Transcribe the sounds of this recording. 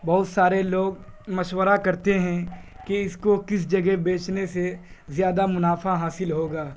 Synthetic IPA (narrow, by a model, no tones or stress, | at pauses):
bɐɦʊt̪saːɾeloːɡ | mɐʃwəɾakɐɾt̪eɦɛ̃ | kiɪskokɪs̬d͡ʒɐɡɛbeːt͡ʃnesezjaːd̪amʊnaːfaɦaːsɪlɦoːɡaː